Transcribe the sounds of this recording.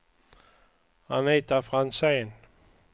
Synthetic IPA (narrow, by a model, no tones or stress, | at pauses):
haniːt̪afʁanseːn